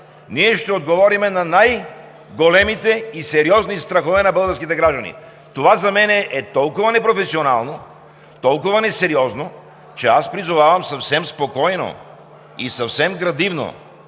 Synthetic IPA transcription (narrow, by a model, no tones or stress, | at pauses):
niɛʃt̪ɛod̪ɡovɔɾimɛnɐnaj | ɡolɛmit̪ɛisɛɾiɔznist̪ɾɐxovɛnɐbəlˠɡəɾskit̪ɛɡɾaʒd̪ɐnḭ | t̪ovazɐmɛnɛʔɛt̪ɔlˠkʊvɐnɛpɾofɛsiona̰lˠno | t̪ɔlˠkʊvɐnɛsɛɾiɔzno | t͡ʃɛaspɾizovavɐmsɐfsɛmspokɔjno̰ | isɐfsɛmɡɾɐd̪ivno̰